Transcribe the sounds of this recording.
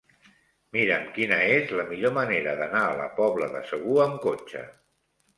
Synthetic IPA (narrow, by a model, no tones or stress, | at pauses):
miɾəmkinəezləmiʎoməneɾəðənaːlə̰pɔβləðəsəɣ̞uəmkot͡ʃə̰